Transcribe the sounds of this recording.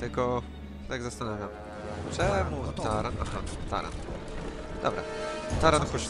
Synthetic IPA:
t̪ɘkɔ | t̪aɡzast̪anavʲjam | t͡ʂɛmut̪aɾaaxat̪a̰ɾa̰n | d̪ɔ̰bɾa̰t̪aɾanpɔɕ

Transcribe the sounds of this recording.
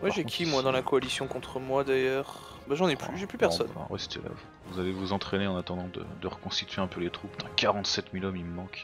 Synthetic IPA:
mwaʒekʰʲimwad̪ɑ̃lakɔalisjɔ̃kɔ̃t̪χəmwad̪ajœːʁ | baʒɑ̃nɛplyʒɛplypɛʁsɔna̰ʁɛ̰st̪ḛla̰v | vuzalevuzɑ̃t̪χeneɑ̃nat̪ɑ̃d̪ɑ̃d̪ə̰d̪əʁəkɔ̃st̪it̪ɥeɛ̃pølet̪χupd̪̥ɑ̃kaʁɑ̃t̪sɛt̪milɔmiməmɑ̃k

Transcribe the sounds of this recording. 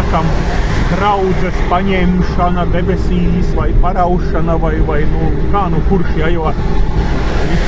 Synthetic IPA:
kam | d̪ɾawd̪zɛspaɲɛmʃanɐd̪ebʲɛsʲiːsvajpaɾawʃanɐvajvajnukaːnukuɾʃjajoat | i

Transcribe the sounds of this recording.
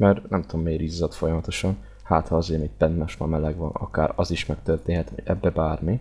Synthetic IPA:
mɛrnɛmt̪uomːeːɾiːzːɒt̪fo̞jɒmɒt̪o̞ʃɒn | haːt̪hɒɒzeːmit̪̚pɛnt̪maʃmɒmɛlɛɡʋɒnɒ̰kaːɾɒziʃmɛk̚t̪ørt̪eːnhɛt̪ho̰ɟɛ̰bːɛbaːrmi

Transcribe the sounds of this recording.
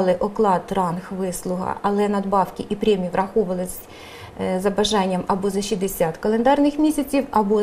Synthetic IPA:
lˠɪʔɔklˠɑt̪rɑnxʋɪslˠʊɦɐ̰ɐlˠɛnɐd̪bɑwkʲɪʔipɾʲɛmʲiiʋɾʔɐxɔʋɐlˠɪsʲ | zɐbɐʒɑnʲːɐmɐbɔzɐʃid̪esʲɑt̪kɐlˠend̪ɑrnɪxmʲisʲɐt͡sʲiwɐbɔ

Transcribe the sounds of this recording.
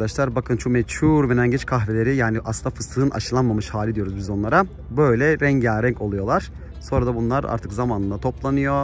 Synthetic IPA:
d̪aʃlˠaɾbakʰɯnt͡ʃʰumɛt͡ʃuɾmenænɟɛt͡ʃkʰaxvelʲeɾijaːniʔa̰sˠɯnd̪afɯst̪ˠɯɯnʔa̰ʃɯlˠanmamɯʃhaːlʲid̪ijo̞ɾuzbizonlˠaɾa | bø̞jlʲɛɾɛɲɟæɾɛɲcʰo̞lˠujo̞lˠaɾ̥ | so̞nɾad̪abunlˠaɾa̰ɾt̪ʰɯkzamaːnɯnd̪at̪ʰo̞plˠanɯjo̞

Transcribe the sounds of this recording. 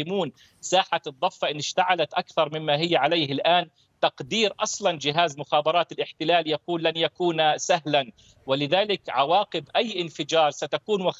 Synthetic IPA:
ɪmuːn | saːħaɨd̪ˤːɑfːɑʔɪnːɪʃt̪aʕalat̪ʔakθɑɾˤmɪmːaɦɪjːʕalajhɪlʔaːn | t̪ɑqd̪iːɾʔɑsˤlɑnd͡ʒɪɦaːzmʊxɑːbɑɾˤɑːt̪ɪlʔɪħt̪ɪlaːljakuːlːanjakuːnsaɦlan | wɪlɪðaːlɪkʕawɑːqɪbʔajːʔɪnfɪd͡ʒɑːɾˤsat̪akuːnwax

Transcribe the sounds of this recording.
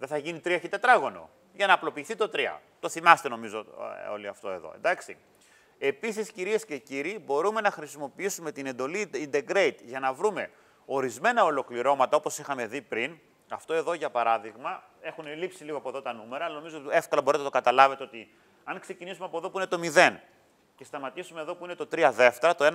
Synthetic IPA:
ðe̞θɐʝinit̪ɾiɐçit̪e̞t̪ɾɐɣo̞no̞̰ | ʝɐnɐːplo̞piːθit̪o̞t̪ɾiɐ̰t̪o̞θimɐst̪e̞no̞mizo̞o̞̰liɐft̪o̞e̞ðo̞̰end̪ɐksḭ | e̞pisisciɾie̞sce̞ciɾibo̞ɾume̞nɐxɾisimo̞piisume̞t̪ine̞nd̪o̞liind̪eɡɾe̞it̪ʝɐnɐvɾume̞ | o̞ɾizme̞nɐo̞lo̞kliɾo̞mɐt̪ɐopo̞sixɐme̞ðipɾin | ɐft̪o̞e̞ðo̞ʝɐpɐɾɐðiɣmɐ | e̞xunelipsiliɣoɐpoðo̞t̪ɐnume̞ɾɐːlɐno̞mizooe̞fkɐlɐboɾit̪enɐt̪okɐt̪ɐlɐve̞t̪e̞o̞t̪i | ɐŋkse̞cinisumeɐpoðo̞puine̞t̪o̞miðe̞n | ce̞st̪ɐmɐt̪isumeðo̞puine̞t̪o̞t̪ɾiɐðe̞ft̪eɾɐt̪oe

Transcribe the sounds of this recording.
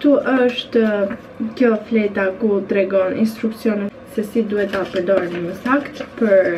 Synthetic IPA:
t̪uʔəʃt̪ | kjɔflɛjt̪akut̪ɾɛɡɔnʔinst̪ɾuksijɔnɛ | sɛsid̪uhɛt̪apəɾd̪ɔɾnəməsakt̪pəɾ

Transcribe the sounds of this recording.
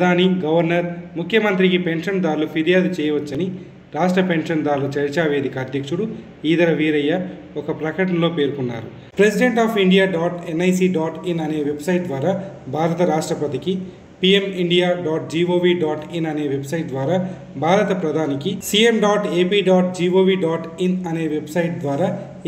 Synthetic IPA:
ɐd̪ʱaːniɡɐʋɐɾnɐɾmukʰjɐmɐnt̪ɾikipe̞ɳʂɐnd̪aːɾlupʰiɾijaːd̪ut͡ʃɛːjɐʋɐt͡ʃːɐni | ɾaːʂʈɾɐpe̞nʂɐnd̪aːlːut͡ʃɐɾt͡ʃaːʋe̞ːd̪ikɐːd̪ʱjɐkʂuɽu | iːd̪ɐɾɐʋiːɾɐjːɐ | ɔkɐpɾɐkɐʈ̬ɐnlo̞ːpe̞ːɾukunːa̰ːɾu | pɾe̞siɖe̞ɳʈaːpʰiɳɖijaːɖaːʈenɐjsiːɖaːʈinɐne̞ːʋe̞bsɐjʈ̚d̪ʋaːɾaːbʱaːɾɐt̪ɐɾaːʂʈɾɐpɐt̪iki | piːemiɳɖijaːɖaːʈ̚d͡ʒiːʋoːʋiːɖaːʈinɐne̞ːʋe̞bsɐjʈ̚d̪ʋaːɾaː | bʱaːɾɐt̪ɐpɾɐd̪ʱaːnikisiːemɖaːʈe̞ːpiːɖaːʈd͡ʒiːʋoːʋiːɖaːʈinɐne̞ːʋe̞bsɐjʈ̚d̪ʋaːɾaː

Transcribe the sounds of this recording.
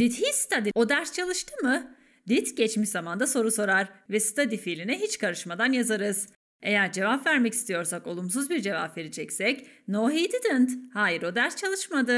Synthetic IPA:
d̪it̪hist̪ʰad̪io̞d̪æɾst͡ʃʰalˠɯʃt̪ʰɯmɯ | d̪it̪ɟɛt͡ʃmiʃzamand̪aso̞ɾuso̞ɾaɾvɛsɯ̥t̪ʰad̪ifiːlʲinɛɦit͡ʃkʰaɾɯʃmad̪anjazaɾɯz̥ | e̞jæɾd͡ʒe̞vapvæɾmɛci̥st̪ijo̞ɾsako̞lˠums̬uzbiɾd͡ʒe̞va̰pve̞ɾid͡ʒɛcsɛcnoːɦiːd̪id̪ɯnt̪haːjiɾo̞d̪æɾst͡ʃʰalˠɯʃmad̪ɯ

